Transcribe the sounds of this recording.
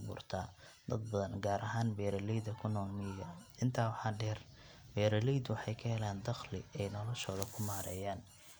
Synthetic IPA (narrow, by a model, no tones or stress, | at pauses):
bṵːrt̪ʰaːd̪ɐd̪̚bɐðɐnɡaːɾʔɐɦaːnbɛːɾɐlɛjd̪ɐkʰʊnɔːlmɪɡɐɪnt̪ʰaːwɑħɑːɖɛːr | bɛːɾɐlɛjd̪wɑħɑjkʰɐhɛlaːnd̪ɑxlɪ̰ɛjnɔlɔʃɔːðɐkʰʊmaːɾɛ̰ːjaːn